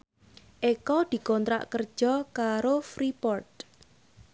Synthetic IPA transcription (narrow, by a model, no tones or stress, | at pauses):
ʔekɔd̪̥i̤kɔnt̪ɾa̰ʔkər̥ʒ̥ɔkaɾofɾipɔrt̪̚